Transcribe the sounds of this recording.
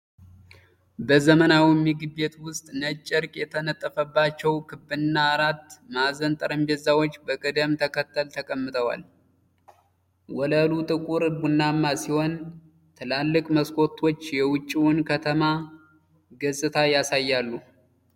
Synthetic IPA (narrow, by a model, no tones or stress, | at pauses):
bəzəmənawimːɨɡɨbe̞t̪wʊst̪ʼnət͡ʃʼːɨɾkʼjɛt̪ʰənət̪ʼːəfəbːat͡ʃːɛwkʰɨbːɨɨnːaːɾat̪ːmazənt̪ʼəɾəmbezːawot͡ʃːbəkʼɨd̪əmt̪ʰəkʰət̪ːəlt̪ʰəkʼəmːɨt̪ʰʼəwa̰l | wɔləlut̪ʼɨkʼuɾbunːamːasiho̞n | t̪ʰɨlalːɨkʼməskʰo̞t̪ʰːo̞t͡ʃːjɛwʊt͡ʃʼːiwʊnkʰət̪ʰəma | ɡɨzʼɨt̪ʰajasajːalːu